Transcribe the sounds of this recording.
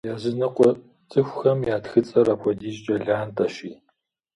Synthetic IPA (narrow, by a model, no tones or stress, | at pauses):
jaːzɨnɐqʷʼɔ | t͡sʼɨxʷxɐmjaːtxɨt͡sʼɐɾapʷʰɔdiːʒt͡ʃʼɐɮaːntʼɐʃiː